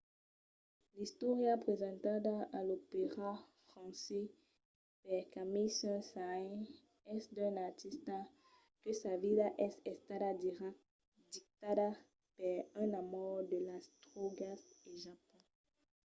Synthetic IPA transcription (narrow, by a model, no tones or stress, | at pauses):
list̪ɔʁjapχezɑ̃t̪adaalopeʁafχɑ̃sɛ | pɛʁkamisɛ̃saɛ̃ | ɛsd̪ɛ̃naʁt̪ist̪a | kəsavilaʔɛsɛst̪adad̪iʁa | d̪ik̚t̪ada | paʁɛ̃namɔʁdəlast̪ʁoɡaseʒapɔ̃